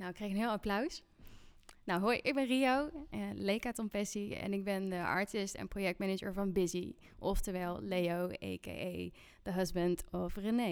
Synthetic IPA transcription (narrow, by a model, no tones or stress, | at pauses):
nawɪkːrejkənɦɪːlˠaplœɥs | nawɦoːjʔɪɡ̚bɛnriowəlejkatɔmfɛsiɛ̰nɪɡ̚bɛndəɑ̰ɹtɪstɛ̰nprojɛk̚tmɛnɪd͡ʒə̰ɹvɑnbɪzi | ʔɔftəɹʋɛlˠlejowḛjkḛʔej | d̥əɦʌzbəntɔfrəne